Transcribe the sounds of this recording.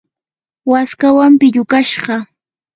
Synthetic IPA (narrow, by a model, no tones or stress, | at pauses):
waskawampɪʎʊkaʃɢɑ